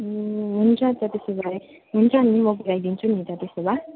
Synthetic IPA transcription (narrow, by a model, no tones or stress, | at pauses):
ɦunt͡sʰʌt̪ʌt̪esobaɾe | ɦunt͡sʰʌnimʌɡuɾajd̪int͡sʰunit̪ʌt̪esoba